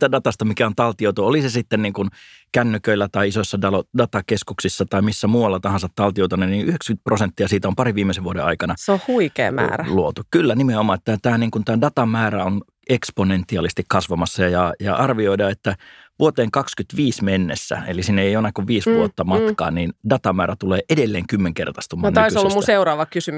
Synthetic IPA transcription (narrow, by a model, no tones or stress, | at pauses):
siːt̪ædɑt̪ɑst̪ɑmikæont̪ɑlt̪iout̪uolisesit̪ːenniːŋkunkænːykøilːæt̪ɑiisoisːɑdɑlodɑt̪ɑkeskuksisːɑt̪ɑimisːæmuːʋɑlːɑt̪ɑhɑ̃nsɑt̪tɑlt̪iout̪unenniːʔyhekskynt̪̚prosent̪ːiɑsiːt̪æompɑriʋʋiːmːeseʋʋuoɾḛɑ̰ikɑnɑseohuikḛːmæ̰ːɾæluot̪ukkylːænimeomɑːet̪ːæt̪æːniːŋkunt̪æːdɑt̪ɑmæːræon | eksponent̪ːˑiɑlist̪ikkɑsʋɑmɑsːɑjɑjɑʔɑrʋioidɑːet̪ːæ | ʋuot̪eːŋkɑkskyt̪ʋiːsmenːḛsːæ̰ḛlisinːeejonːɑkːuʋʋiːsʋuot̪ːɑmɑt̪kɑ̰ːnniːndɑt̪ɑmæːɾæt̪uleːʔedelːeːŋkymːeŋkert̪ɑ̥st̪umɑnoˑisolːɑmuseuɾɑːʋɑkkysymy